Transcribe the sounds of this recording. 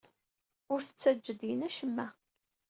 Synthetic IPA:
ʊɾθə̥t͡sːæd͡ʒːəd̪inæʃəmːæ

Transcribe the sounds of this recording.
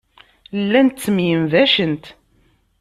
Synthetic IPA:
lːænt̪t͡sːəmjəmvæʃənt̪

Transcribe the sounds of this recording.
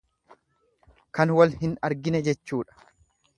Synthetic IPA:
kɐnwɐlhɪnɐɾɡɪnɛd͡ʒɛt͡ʃːuːᶑɐ̥

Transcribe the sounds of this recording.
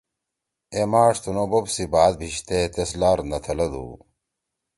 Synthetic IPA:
emaːʂt̪unobobsibaːd̪̚bʱiɕt̪et̪eslaːɾnɐt̪ʰɐlɐd̪ṵ

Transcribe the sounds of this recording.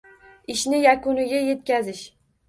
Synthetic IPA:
ɪʃnɪjakʊnɪɡʲaje̞t̪̚kʲazɪʃ

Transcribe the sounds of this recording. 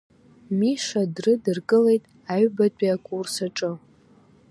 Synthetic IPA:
miʂadrɨdɨrkʼɨle̞jtʼ | aɥbatʷʼiakʷʼursaʈ͡ʂʼɨ

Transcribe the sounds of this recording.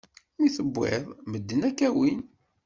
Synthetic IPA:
miθəbːɪ̰ðˤməd̪ːənækːæwin

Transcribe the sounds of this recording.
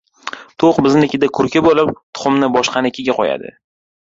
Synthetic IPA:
t̪ʰoqbɪznɪɪkʲɪd̪akʰʊɾkʲɪbolɪp̚t̪ʰʊ̥χʊmnɪbɒʃqʰɑnɪkʲʰeɡʲaqʰɒja̰d̪ɪ̰

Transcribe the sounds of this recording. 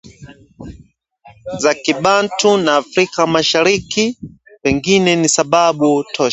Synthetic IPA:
zakiɓantʰunaːfɾikamaʃaɾiki | pɛŋɡinɛnisaɓaɓutʰɔ

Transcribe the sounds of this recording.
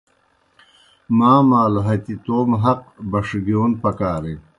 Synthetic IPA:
maːmaːlɦɐt̪it̪oːmɦɐq̚bɐʂɡioːnpɐkaːɾe

